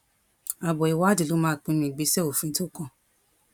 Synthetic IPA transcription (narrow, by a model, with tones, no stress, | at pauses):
a˨bɔ˨i˨wa˦di˨lo˨˦mãː˦˨k͡pĩ˧˦mĩ˧˨ɡ͡bi˧˦sɛ˦o˨fĩ˨˦to˦kɔ̃˦˧˨